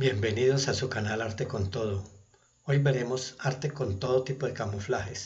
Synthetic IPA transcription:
bje̞mbe̞niðosasukanalaɾt̪eko̞nt̪o̞ð̞o | o̞jbe̞ɾe̞mo̞saɾt̪e̞ko̞nt̪o̞ðot̪ipo̞ðekamoflahe̞s

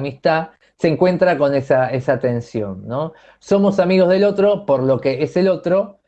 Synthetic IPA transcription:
mist̪a | seŋkwe̞nt̪ɾako̞ne̞sae̞sat̪e̞nsjo̞̰nːo̞ | so̞mo̞samiɣ̞o̞zðe̞lo̞t̪ɾo̞po̞ɾlo̞ke̞ese̞lo̞t̪ɾo̞

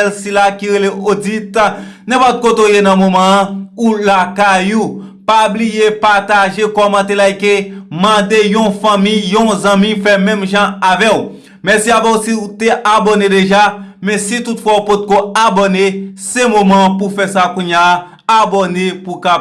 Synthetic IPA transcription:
lsilakiɣeleod͡zit̪nɛ̃pɔt̪̚kot̪ojenɐ̃momãulakajupablijepat̪aʒekɔmãt̪elaikemãd̪ejɔ̃fãmĩjjõzɐ̃mĩfɛmɛ̃mʒãavɛu | mɛsiabɔ̃usiut̪eʔabonedeʒamɛ̃sit̪utfwaupot̪̚koabɔnesemomãpufɛsakũɲjaː | bɔnepuka

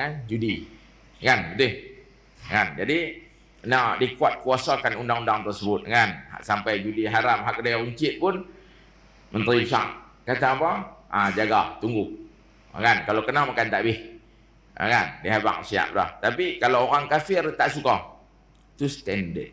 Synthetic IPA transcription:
ŋand͡ʒudi | ŋanbət̪ɪh | ŋand͡ʒadi | nadikuat̪̚kuasakanundaŋundaŋt̪ərsəbʊt̪̚ŋana̰ʔsampajd͡ʒudiɦaɾam̚ɦak̚dajauɲt͡ʃɪt̪̚pʊn | mənt̪əɾibsa̰ʔ | kat̪apaʔad͡ʒaɡaht̪uŋɡʊʔ | ŋankalakənahmakant̪aʔbɪh | a̰ŋandiɦaba̰ŋsia̰ʔ̚la̰ht̪apikalaoɾaŋkafɪrt̪aʔsukɔh | t̪ust̪ɛndə

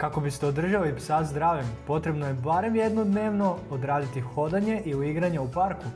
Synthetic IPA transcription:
kako̞bist̪eod̪r̩ʒaoipsazd̪ɾaːʋimpo̞t̪ɾe̞bnoje̞baːɾe̞mjed̪nod̪ne̞ːʋno̞od̪ɾaːd̪it̪ixo̞d̪aɲe̞ʔiuiɡɾaɲeupaɾku

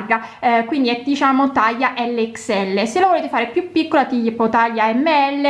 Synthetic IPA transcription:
rɡakwind̪iɛd̪it͡ʃaːmot̪ajːaʔɛlːeɛksɛlːeselːavoleːt̪efaːɾepjupːikːolat̪ijepːɔt̪ajːaɛmːeɛlːe

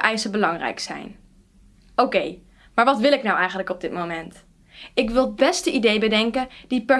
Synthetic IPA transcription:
ʔɛjsəbəlɑŋrɛ̰jksɛ̰jn | owkej | maːɹʋɑtʋɪlˠɪknɑwɛjχənləkɔb̚dɪt̚mowmɛnt | ɪkʋɪlˠbɛstəʔidejbədɛŋkəd̥ipɛ

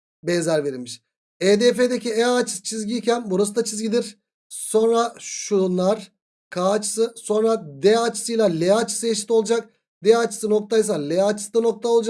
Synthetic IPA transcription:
bɛnzæɾve̞ɾilʲmiʃ | ed̪efed̪e̞cieat͡ʃʰɯ̥t͡ʃʰizɟicʰænbuɾast̪at͡ʃʰizɟid̪iɾ̥ | so̞nɾaʃunlˠaɾ̥ | kʰaːt͡ʃʰɯ̥sɯso̞nɾad̪ɛat͡ʃʰɯ̥sɯjlˠalʲeat͡ʃʰɯ̥sɯeʃi̥t̪o̞lˠud͡ʒak̚ | d̪eat͡ʃʰɯ̥sɯno̞k̚t̪ʰajsalʲeat͡ʃʰɯ̥sd̪ano̞k̚t̪ʰaolˠud͡ʒa

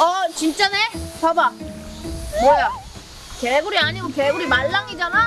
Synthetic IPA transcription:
ʌt͡ɕint͡ɕ͈anet͡ɕaba | boja | keɡuɾiaɲiɡokeɡuɾimaɭːaŋid͡ʑana

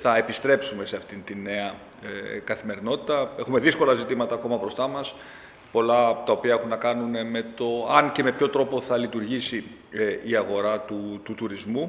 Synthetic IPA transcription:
θɐe̞pist̪ɾe̞psume̞se̞ɐft̪int̪inːe̞ɐ | kɐθime̞ɾino̞t̪i̥t̪ɐe̞xume̞ðisko̞lɐzit̪imɐt̪ɐːko̞mɐbɾo̞st̪ɐmɐs | po̞lɐt̪ɐo̞piɐe̞xunːɐkɐnune̞me̞t̪o̞ɐnceme̞pço̞t̪ɾo̞po̞θɐlit̪uɾʝisi | iɐɣo̞ɾɐt̪ut̪ut̪uɾizmu

